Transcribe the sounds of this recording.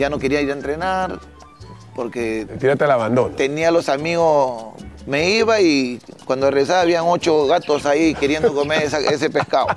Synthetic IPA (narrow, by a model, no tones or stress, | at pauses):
jano̞keɾiaiɾent̪ɾenaɾ | poɾket̪iɾat̪elaβand̪onat̪enialosamiɣo | meiβaikwand̪ores̬aβaːβiaŋo̞t͡ʃoɣat̪osaikeɾjend̪okomeɾesaʔesepeskao